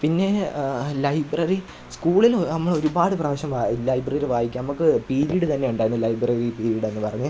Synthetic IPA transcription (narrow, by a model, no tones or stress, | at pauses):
pinːe̞lɐjbrɐri | skuːɭilnɐmːɐɭo̞ɾubaːɽɨprɐːʋɐɕɐmʋaːlɐjbrɐriɾʋaːjikʲːnɐmukːɨpiːɾiɽɨt̪ɐnːe̞uɳɖaːɾunːɨlɐjbrɐripiːɾiɽe̞nːɨpɐrɐɲːu